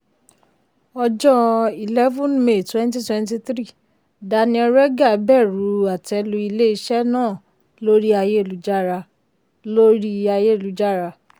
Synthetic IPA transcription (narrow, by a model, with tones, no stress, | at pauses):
ɔ˧d͡ʒɔ˦i˨lɛ˦vɔ̃˦nme˨twɛ̃˦nt̬i˦twɛ̃˦nt̬i˧˦tɾi˦˨ | da˧nĩ˧˦ɔ˧ɾɛ˦ɡa˦˨˦bɛ˦˨ɾu˨˦a˨tɛ˧˦lu˧˦i˧le˦i˧ʃɛ˦nãː˦˨ | lo˦ɾi˦a˧je˦˨lu˨˦d͡ʒa˦˨ɾa˧ | lo˦ɾi˦a˧je˦˨lu˨˦d͡ʒa˦˨ɾa˧